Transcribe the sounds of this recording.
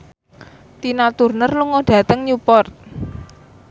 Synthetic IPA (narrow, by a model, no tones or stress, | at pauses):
t̪inat̪urnərluŋɔɖ̥a̤t̪əŋɲjupɔrt̪̚